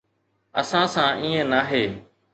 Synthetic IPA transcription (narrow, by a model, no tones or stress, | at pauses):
ə̰sãːsãːʔĩːẽːnaːɦeː